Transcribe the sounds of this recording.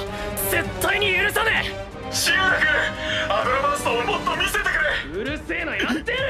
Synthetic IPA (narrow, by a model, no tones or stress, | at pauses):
se̞t̪ʰːaiɲ̟iɯɾɯ̟sane | ɕiɡoakɯaɾomasɨ̥t̪omot̪ːomʲiset̪ekɯɾeɯɾɯ̟se̞ːnojat̪ːe